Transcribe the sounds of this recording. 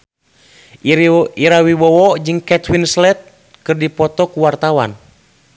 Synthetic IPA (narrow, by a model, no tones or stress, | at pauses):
iɾawiwɔwɔd͡ʒɨŋkɛt̪winslɛt̪̚ | kɨrdipɔt̪ɔkuwart̪awan